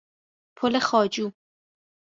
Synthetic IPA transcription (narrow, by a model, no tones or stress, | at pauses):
pʰolexɒːd͡ʒuː